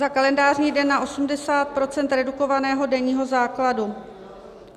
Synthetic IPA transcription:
zakalɛndaːrɲiːdɛnːaʔo̞sumdɛsaːt̪̚pɾo̞t͡sɛnt̪ɾɛduko̞vanɛːɦo̞dɛɲiːɦo̞zaːkladu

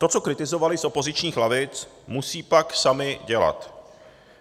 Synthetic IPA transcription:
t̪o̞t͡so̞kɾɪt̪ɪzo̞valɪsʔo̞po̞zɪt͡ʃɲiːxlavɪt͡s | musiːpaksamɪɟɛla̰t̪

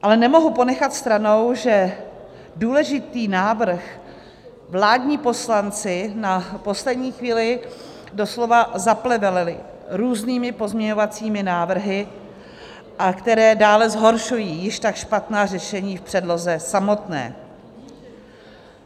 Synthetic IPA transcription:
ʔalɛnɛmo̞ɦupo̞nɛxat̪st̪ɾano̞wʒɛ | duːlɛʒɪt̪iːnaːvr̩x | vlaːdɲiːpo̞slant͡sɪnapo̞slɛdɲiːxviːlɪ | do̞slo̞vazaplɛvɛlɪlɪ | ɾuːzniːmɪpo̞zmɲɛɲo̞vat͡siːmɪnaːvr̩ɦɪ | ʔakt̪ɛɾɛːdaːlɛzɦo̞ɾʃujiːjɪʃt̪akʃpat̪naːr̝ɛʃɛɲiːfpr̥ɛdlo̞zɛsamo̞t̪nɛ̰ː

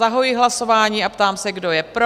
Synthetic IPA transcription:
aɦojiɦlaso̞vaːɲiːapt̪aːmsɛɡdo̞jɛpɾo

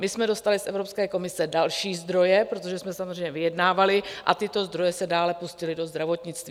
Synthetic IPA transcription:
mɪsmɛdo̞st̪alɪsʔɛvɾo̞pskɛːko̞mɪsɛdalʃiːzd̪ɾo̞jɛpɾot̪o̞ʒɛsmɛsamozr̝ɛjɲɛvɪjɛdnaːvalɪʔa̰t̪ɪt̪o̞zd̪ɾo̞jɛsɛdaːlɛpuscɪlɪdo̞zd̪ɾavo̞t̪ɲɪt͡st̪viː

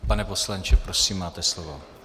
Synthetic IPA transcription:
panɛpo̞slant͡ʃɛpɾosiːmːaːt̪ɛslovo

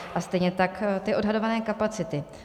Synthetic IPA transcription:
ʔast̪ɛjɲɛt̪akt̪ɪo̞dɦado̞vanɛːkapat͡sɪt̪ɪ

